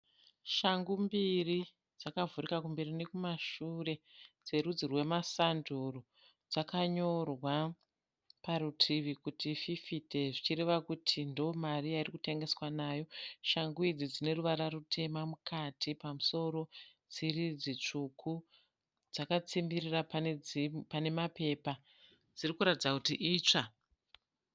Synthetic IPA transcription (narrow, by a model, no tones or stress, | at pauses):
ʃaŋɡumbiri | d͡zakavurikakumbe̞rine̞kumaʃure̞d͡ze̞rud͡zirwe̞masanduro | d͡zakaɲo̞rwa | parutʰiʋikutififite̞ʐit͡ʃiɾe̞ʋakutʰindomariairikute̞ŋɡe̞swanaːjo̞ʃaŋɡuid͡zid͡zine̞ruʋaɾarutʰe̞mamukʰatʰipamuso̞ɾo̞d͡zirid͡zit͡ʂukʰu | d͡zakat͡simbirirapanpane̞mape̞pa | d͡zirikuɾatid͡zakutiʔiːt͡ʂa